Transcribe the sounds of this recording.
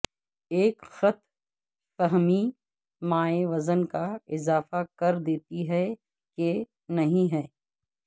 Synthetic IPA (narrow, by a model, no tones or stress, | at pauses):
eːkxɐt̪ | fɛɦmi | maːeʋɐzənkaɪzaːfakɐɾd̪eːt̪iɦɛ | ke | nɐɦĩɦɛː